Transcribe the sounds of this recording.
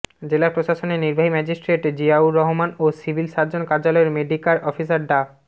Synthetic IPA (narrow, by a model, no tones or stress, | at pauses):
d͡ʑelapɾoʃaʃoneɾniɾbʱaɦimɛd͡ʑisʈɾeʈd͡ʑiauɾɔɦomanosibʱilʃaɾd͡ʑonkaɾd͡ʑalɔeɾmeɖikaɾʔɔfisaɾɖa